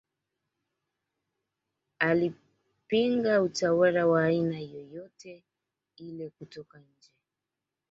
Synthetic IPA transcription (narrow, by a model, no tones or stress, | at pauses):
ali | piŋɡautawalawaːinajɔjɔtɛ | ilɛkutɔkaɲ̩d͡ʒɛ